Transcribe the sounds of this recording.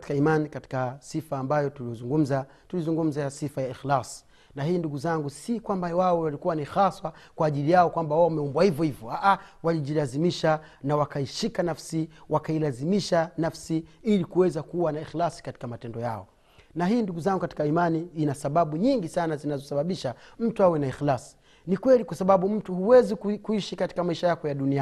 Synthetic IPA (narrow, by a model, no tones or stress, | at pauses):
ti̥kaimanikati̥kasifaːmbajɔtuzuŋɡum̩za | tulizuŋɡum̩zasifajaixlas | nahiːnduɡuzaŋɡusikwambawaɔwalikuwanixaswakwaːʄilijaɔkwambawamɛɔmbwahivjɔhivjɔaʔawaliʄilazimiʃa | nawakaiʃikanafsiwakailazimiʃanafsiilikuwɛzakuwanaixlasi̥kati̥kamatɛndɔja̰ɔ̰ | naɦiːnduɡuzaŋɡukati̥kaimaniːnasaɓaɓuɲiŋɡisanazinazɔsaɓaɓiʃam̩tuawɛnaixlasi̥ | nikwɛlikwasaɓaɓum̩tuhuwɛzikukuiʃikati̥kamaiʃajakɔjaɗunia